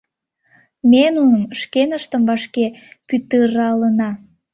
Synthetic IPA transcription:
menunəmʃkenəʃt̪əmvɑʃkepyt̪əɾɑlənɑ

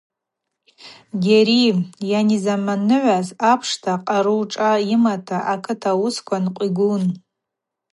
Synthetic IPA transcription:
ɡʲeɾijanizamanɨʕʷazapʰʂtʰaqʼaɾuʈ͡ʂʼaimatʰaʔakʰɨtʰawʊskʷʰanqʷʼiɡʷun

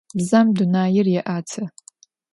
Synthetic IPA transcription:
bzamdunaːjɪrjaʔat͡sʰa

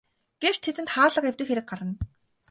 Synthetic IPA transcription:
ɡ̥ew̥t͡ɕt̪ʰet̪ɘ̆nt̪χaːɮə̆qewt̪ɘ̆kxeɾɘ̆k̚ɢaɾə̆n

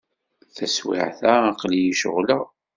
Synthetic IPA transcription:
θæswɪ̰ʕθæːqlijiʃə̰ʁlə

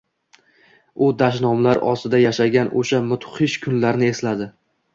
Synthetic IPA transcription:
ʊd̪aʃnɒmlaɾɒ̰st̪ɪd̪ajaʃaɡʲanʔo̰ʃamʊt̪ʰʊ̥χɪʃkʰʊnlaɾnɪe̞slad̪ɪ

